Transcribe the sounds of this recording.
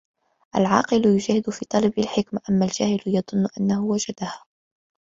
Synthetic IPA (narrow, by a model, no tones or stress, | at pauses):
ʔalʕɑ̰ːqɨlʊjʊʒahɪd̪ʊfiːt̪ˤɑlɑbalħɪkmaʔamːald͡ʒaːhɪljɑðˤʊnːʊʔanːahʊwad͡ʒad̪ahaː